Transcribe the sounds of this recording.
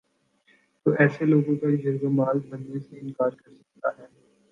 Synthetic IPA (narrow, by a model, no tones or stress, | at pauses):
t̪oːʔɛːseloːɡõkad͡ʒɐɾɡomaːlbɐnːeseɪ̃nkaːɾkɐɾsɐ̥k̚t̪a̰ɦɛː